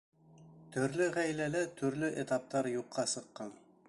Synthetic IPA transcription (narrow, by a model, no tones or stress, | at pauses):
t̪ɵ̆ɾlɵʁæjlælæt̪ʰɵ̆ɾlɵʔet̪ɑp̚t̪ɑɾjuqːɑsɤ̆qːɑn